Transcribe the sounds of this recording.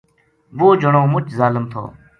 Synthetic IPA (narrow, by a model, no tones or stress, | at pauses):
ʋoːd͡ʒʱəɳõːmʊt͡ʃʰzaːləmt̪ʰo̰ː